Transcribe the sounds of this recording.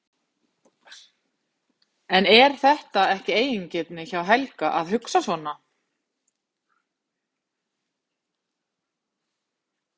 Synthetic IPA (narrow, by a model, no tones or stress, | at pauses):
ɛnɛɾ̥θɛht̪aɛhcɪeːjiɲcɪt̪nɪçawɦɛlkaʔaðɦʏksasvɔna